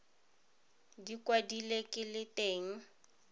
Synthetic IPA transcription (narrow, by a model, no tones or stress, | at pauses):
dikʼwadilekʼɪlɪtʼeːŋ̩